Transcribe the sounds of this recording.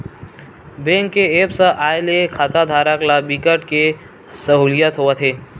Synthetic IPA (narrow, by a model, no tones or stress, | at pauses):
bẽŋkːeepsə̃ʔaːelekʰat̪ad̪ʱaːɾəklabikəʈke | səɦulijət̪ɦoət̪ʰɦeː